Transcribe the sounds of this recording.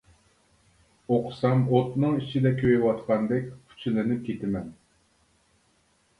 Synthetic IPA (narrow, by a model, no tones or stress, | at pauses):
oqʰsɑmot̪nɨŋit͡ʃʰid̪ɛkʲʰøjɪwɑt̪qʰɑnd̪ɛkʲkʰy̥t͡ʃʰilɪnɪp̚kʲet̪ɪmɛn